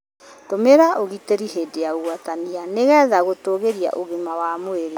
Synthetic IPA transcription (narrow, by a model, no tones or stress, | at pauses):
tomeɾaʔoɣiteɾiɦeːdeaoɣwatanianeɣɛːðaɣotoɣeɾia̰ʔoɣemawamoeɾe